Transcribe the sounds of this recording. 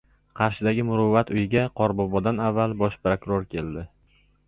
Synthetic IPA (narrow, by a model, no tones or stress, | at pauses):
qʰɑɾʃɪd̪aɡʲɪmʊɾʊvːat̪ʊjɪɡʲaqʰɒɾbɒbɒd̪anavːalˠbɒʃpɾokʊɾoɾkʲʰe̞ld̪ɪ